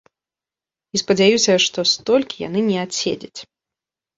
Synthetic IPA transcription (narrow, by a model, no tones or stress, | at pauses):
ispɐd͡zʲajusʲɐʂt̪ɔst̪ɔlʲkʲija̰nɨnʲɛasʲḛd͡zʲɐt͡sʲ